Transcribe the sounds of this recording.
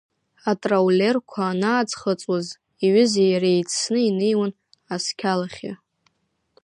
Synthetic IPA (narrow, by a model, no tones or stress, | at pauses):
atʼrawle̞rkʷʰaːnaːd͡zχət͡sʼwaz | iɥɪzejaɾejt͡sʰnɨinejwan | askʲʰalaχʲa̰